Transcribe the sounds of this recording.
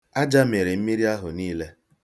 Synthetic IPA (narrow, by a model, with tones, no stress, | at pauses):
a˦d͡ʒa˦me˨ɾe˨m̩˦mi˦ɾi˦a˦ɦʊ̰˨niː˦le˦